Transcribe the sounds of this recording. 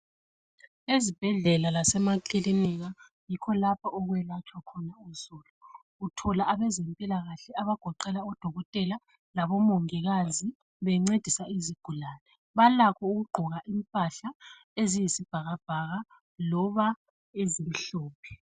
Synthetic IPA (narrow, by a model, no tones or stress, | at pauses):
ezib̥ʱɛɮɛlalasɛmakʼiliniɣa | jikʰɔlapʰaɔɣwɛlat͡ʃʰʼwakʰɔnauzuluː | tʰɔlaʔːβɛzempʼilaɣaɬɛaβaɡ̥ʱɔǃɛlaɔd̥ʱɔɣɔtʼɛla | laβɔmɔŋɛɣazi | βɛŋ͡ǀed̥ʱisaiziɡ̥ʱulaːnɛ | βalakʰɔuɣuɡ͡ǃʱɔɣaʔimpʼaɬa | ezijisib̥ʱaɣab̥ʱaɣa | lɔβa | ezim̩ɬuːpʰɛ̥